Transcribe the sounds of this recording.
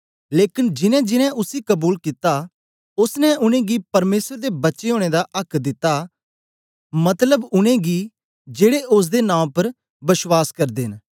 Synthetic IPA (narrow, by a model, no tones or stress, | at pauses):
leːkɪnd͡ʒɪnɛ̃d͡ʒɪnɛ̃ʔʊsikɐbuːlkɪt̪a | ʊsnɛ̃ʊnẽːɡipɐɾmeːsəɾd̪ebɐtːʃeɦoːɽ̃eːd̪aʔɐkʰd̪ɪt̪ːa | mɐt̪ləbʊnẽɡi | d͡ʒeːɽeʔʊs̬d̪enãːpɐɾ | bɪʃwaːskɐɾd̪eːɦɪn